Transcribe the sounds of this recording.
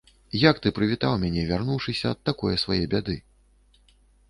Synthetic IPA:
jɐkt̪ɨpɾɨvʲit̪awmʲanʲɛvʲarnuwʂɨsʲɐːt̪ːakɔjɐsvajɛbʲad̪ɨ

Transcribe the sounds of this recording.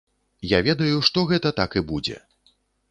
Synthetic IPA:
javʲɛd̪ɐjuʂt̪ɔɣɛt̪ɐt̪akibud͡zʲɛ̰

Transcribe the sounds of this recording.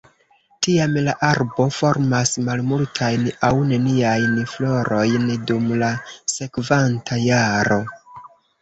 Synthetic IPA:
tiamlaʔaɾbo̞fo̞ɾmasmalmultʰajnawne̞niajnflo̞ɾo̞jndumlase̞kvantʰajaɾo̞

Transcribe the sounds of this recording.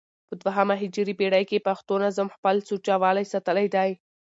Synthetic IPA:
pəd̪waɦamaɦɪd͡ʒɾipeɽajkepaxt̪onazəmxpəlsut͡ʃawɑlajsat̪əlajd̪aj

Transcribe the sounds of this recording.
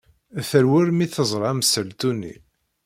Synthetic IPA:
θəɾwʊɾmiθəzˤɾˤɑæməsəlt̪unːḭ

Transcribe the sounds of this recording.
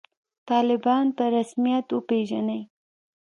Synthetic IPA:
t̪ɑlɪbɑnpəɾasmijat̪wəpeʒanəj

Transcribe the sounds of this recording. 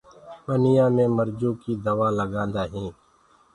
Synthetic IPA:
mənɪjãːmẽːməɾd͡ʒõːkid̪əʋaːləɡãːnd̪aːɦĩː

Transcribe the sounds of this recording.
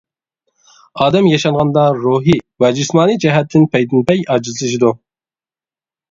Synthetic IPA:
ɑːd̪ɛmjɑʃɑnʁɑnd̪ɑɾuɦivɛd͡ʒysmɑːnɨd͡ʒɛɦɛt̪ːɪnpʰɛjd̪ɪnpɛjɑːd͡ʒizɨlˠɨʃ̬id̪u

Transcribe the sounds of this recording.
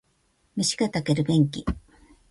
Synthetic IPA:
mʲiɕi̥ɡat̪akeɾɯ̟ɡẽ̞ŋkʲḭ

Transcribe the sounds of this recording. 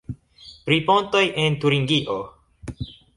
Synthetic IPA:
pɾiponto̞jentuɾiŋɡiʔo

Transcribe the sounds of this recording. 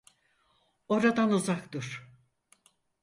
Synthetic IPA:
o̞ɾad̪anuzakt̪ɯɾ̥

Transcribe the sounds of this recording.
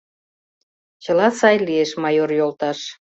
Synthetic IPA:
t͡ɕə̆lɑsɑjlieʃmɑjorjolt̪ɑʃ

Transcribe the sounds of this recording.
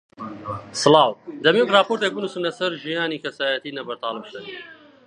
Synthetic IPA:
sɨlɑːwd̪ɐmiːokrɑːpoːɾt̪eːk̚bɨnusɨmlɐsɐɾʒijaːniːkʰɐsaːjɐt̪iːnɐbɐɾt̪ɑːlˠɨbsɐn

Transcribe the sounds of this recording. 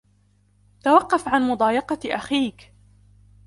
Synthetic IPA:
t̪awɑqːɑfʕanmʊd̪ˤɑːjɑqɑʔaxiːk

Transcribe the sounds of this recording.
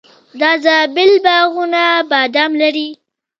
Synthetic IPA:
d̪ɑzabɪlbaɣunabɑd̪amlaɾi

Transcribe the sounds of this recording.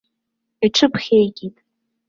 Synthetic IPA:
iʈ͡ʂʰɨpʰχʲejkʲʼitʼ

